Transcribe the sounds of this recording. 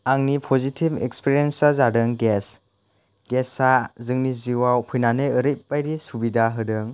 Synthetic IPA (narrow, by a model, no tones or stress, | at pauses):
aŋnipʰɔzitʰibɛkspiɾiensazadɯŋɡɛs | ɡɛsazɯŋniziwawpʰujnanɯjɯɾit̚pajɾisubidaɦɯdɯŋ